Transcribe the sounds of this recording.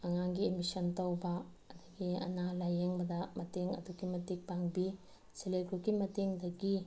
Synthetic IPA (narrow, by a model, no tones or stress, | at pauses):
ɐŋaŋɡiemisɐntɐwbɐː | d̪ɐɡiɐ̰nalajeŋbɐdɐmɐteŋɐ̰dukimɐtik̚paŋbi | selekʰukimɐteŋdɐɡi